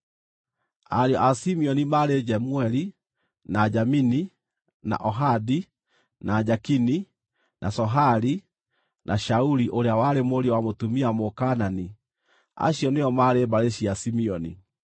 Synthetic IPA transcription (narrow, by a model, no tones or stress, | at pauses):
aɾjɔʔasimiɔnimaɾed͡ʒɛmuɛli | nad͡ʒamini | na̰ʔɔɦadi | nʔad͡ʒakini | nʔa̰sɔɦaɾi | nʔaʃauɾiʔoɾeawaɾemoɾiwamotumiamokanani | a̰ɕiɔneɔmaɾebaɾeɕiasimiɔnḭ